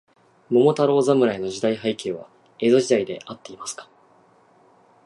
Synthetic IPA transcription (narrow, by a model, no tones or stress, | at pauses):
mo̞mo̞t̪aɾo̞ːzamɯ̟ɾaino̞ʑid̪aihaike̞ːβ̞a̰ | e̞zo̞ʑid̪aid̪e̞̰ʔat̪ːe̞imasɨ̥kḁ